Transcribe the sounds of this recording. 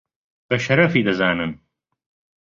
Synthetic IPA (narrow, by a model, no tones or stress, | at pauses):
b̥ɐʃɐɾɐfiːd̪ɐzaːnɨn